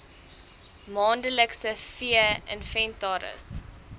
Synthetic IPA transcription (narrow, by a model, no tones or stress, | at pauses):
mɑːndələksəfiəə̰nfɛntɑːɾə̰s